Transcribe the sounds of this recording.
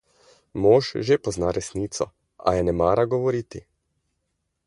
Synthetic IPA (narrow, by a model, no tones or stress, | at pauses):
moːʃʒepɔznaɾɛsniːt̪sɔ̰ | a̰jɛnɛmaːɾaɡɔʋɔɾiːt̪i